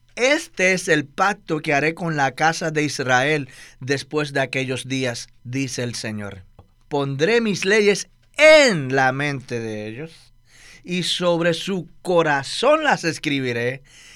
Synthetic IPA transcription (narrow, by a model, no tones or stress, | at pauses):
e̞st̪e̞ese̞lpak̚t̪o̞keaɾe̞ko̞nlakasaðe̞israe̞ld̪e̞spwe̞s̬d̪eake̞ʝo̞zd̪iasd̪ise̞ːlse̞ɲo̞̰ɾ | po̞nd̪ɾe̞misle̞ʝe̞s | enlamẽ̞nt̪e̞ðeeʝo̞s | iso̞βɾe̞suko̞ɾaso̞nlase̞skɾiβiɾe̞